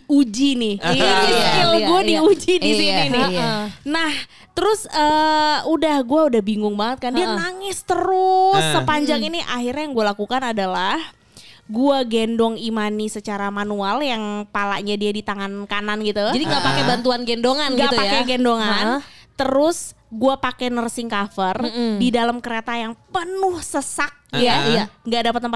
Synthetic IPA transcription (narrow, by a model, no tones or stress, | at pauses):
ud͡ʒinɪ | kaloɡuadiud͡ʒidisiinɪnah | t̪əɾʊsəːudahɡuaudahbiŋʊŋbaŋət̪̚kanianaŋɪst̪əɾʊsːəpaɲd͡ʒaŋiniʔaɦirɲajaŋɡualakukanadalah | ɡuaɡɛndɔŋimanisət͡ʃaɾamanualjaŋpala̰ɲadiadit̪aŋankananɡit̪ud͡ʒadiŋɡapakɛbant̪uanɡɛndoŋanɡapakɛɡɛndoŋant̪əɾʊs | ɡuapakɛnərsɪŋkafərdidalamkəɾet̪ajaŋpənʊhsəsak̚jaaŋɡadapat̪ːəmpa